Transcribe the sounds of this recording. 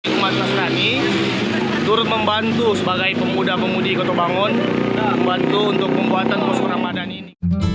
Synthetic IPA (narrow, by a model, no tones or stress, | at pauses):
ik̚mat̪̚naskani | t̪uɾʊt̪̚məmbant̪usəbaɡajpəmudahpəmudikot̪obaŋɔnəmbant̪uːnt̪ʊk̚pəmbuat̪ankɔskuɾaŋmadanini